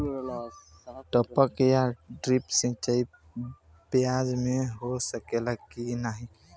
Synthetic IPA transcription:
ʈɔpəkjaɖɾipsĩt͡ʃai | pɪjaːd͡ʒmẽɦosəkeləɡkinaɦĩ

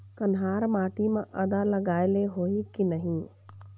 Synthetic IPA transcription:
kɐnɦaːɾmaːʈimẽʔɐd̪alɐɡaːɪleɦoːikinɐɦĩ

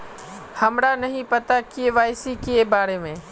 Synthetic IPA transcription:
həmɾanəɦĩpət̪akɪeʋaːɪsiːkɪebaːɾeːmẽː

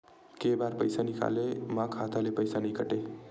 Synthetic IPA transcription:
kebaɾpəjsanika̰lemãkʰat̪alepəjsanikəʈe

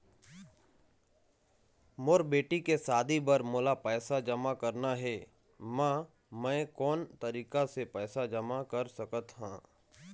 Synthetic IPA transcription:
moːɾbeːʈikesaːd̪ibəɾmoːlapɛːsad͡ʒɐmakɐɾnaɦɛː | mã | mɛ̃ːkɔːnt̪ɐɾiːkasepɛːsad͡ʒɐmakɐɾsɐkət̪ɦãː

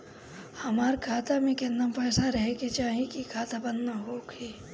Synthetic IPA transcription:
hɐmaːɾkʰaːt̪amẽkenampɛːsaɾɐɦeket͡ʃaːɦẽkikʰaːt̪abɐnːaɦoːɡhiː

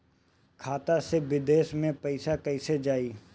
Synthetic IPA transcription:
kʰaːt̪aseʋɪd̪eːʃmẽpɐɪsakɐɪsed͡ʒaːiː

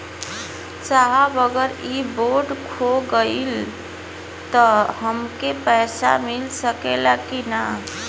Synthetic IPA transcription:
t͡ʃaɦabəɡəɾiboɾɖkʰoɡəil | t̪əɦəmkepɛɪsa̰milsəkelakina

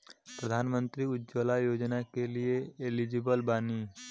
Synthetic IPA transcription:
pɾəd̪ʱaːnmə̃nt̪ɾiʊd͡ʒoːlajoːd͡ʒnakelieelid͡ʒɪbəlbaːniː

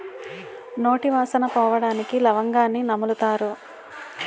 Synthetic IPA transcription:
no̞ːʈiʋaːsɐnɐpɔːʋɐɽaːnikilɐʋɐŋɡaːnːinɐmulut̪aːɾu

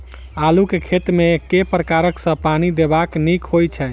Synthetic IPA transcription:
alukekʰet̪ɾmekepɾəkaɾəksə̃panid̪ebaknikɦojt͡ʃʰɛ

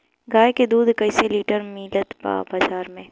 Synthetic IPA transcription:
ɡaːjked̪uːd̪kəɪseliːʈəɾmiːlət̪ba̰ːbaːzaːɾmẽː

